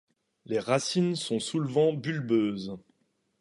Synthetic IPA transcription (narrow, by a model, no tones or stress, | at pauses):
leʁasinsɔ̃sulvɑ̃bylbøːz